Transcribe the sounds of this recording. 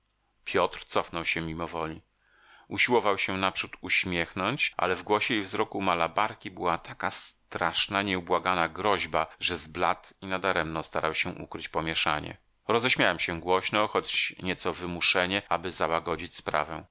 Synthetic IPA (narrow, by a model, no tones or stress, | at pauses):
pʲjɔt̪ɾt̪sɔfnɔwɕɛmʲimɔvɔlʲi | uɕiwɔvawɕɛnapʂut̪uɕmʲjɛxnɔɲt͡ɕʔa̰lɛvɡwɔɕɛivzɾɔkumalabaɾkʲibɘwat̪ʰakast̪ɾaʂnaɲɛubwaɡanaɡɾɔʑbaʐɛzblat̪inad̪aɾɛmnɔst̪aɾawɕɛ̃ʔṵkɾɘt͡ɕpɔmʲjɛʂa̰ɲɛ̰ | ɾɔzɛɕmʲjawɛmɕɛɡwɔɕnɔxɔt͡ɕɲɛt̪sɔvɘmuʂɛɲɛʔabɘzawaɡɔd͡ʑit͡ɕspɾa̰vɛ̃